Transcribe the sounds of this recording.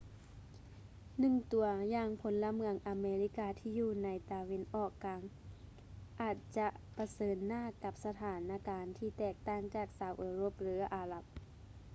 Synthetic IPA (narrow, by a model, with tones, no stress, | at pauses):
nɯ˧˩˨ŋt̪u˨˩˧ɐjaː˧˩ŋpʰo˨˧˦nla˧mɯ˧˩əŋʔa˨˧meː˧li˧˥kaː˧t̪ʰiː˧˩juː˧˩na˧˥jt̪a˧we˧˥˨nʔɔː˧˩kːaː˨˧˦ŋ | ʔaː˨˩t̪̚t͡ɕa˧ʔpa˧˦sɤː˨˦nːaː˧˥˨ka˧˦p̚sa˧t̪ʰaː˨˦nʔa˧kaː˨˧nt̪ʰiː˧˩t̪ɛː˧˩k̚t̪aː˧˥˩ŋt͡ɕaː˧˩k̚saː˨˧˦wʔɤː˧˩ɾo˧˩˨p̚lɯː˩˦ʔaː˨˧la˧˦p̚